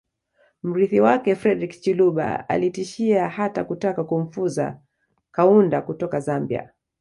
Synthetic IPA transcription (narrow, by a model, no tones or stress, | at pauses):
m̩ɾiθiwakɛfɾɛdɾikt͡ʃiluɓa̰a̰litiʃiahatakutakakum̩fuza̰ | kaundakutɔkazambia̰